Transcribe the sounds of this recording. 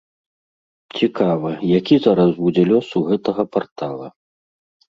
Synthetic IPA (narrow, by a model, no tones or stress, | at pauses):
t͡sʲikʰavɐjakʲizaɾɐsud͡zʲɛlʲɔsuɣɛt̪ɐɣɐpart̪alˠɐ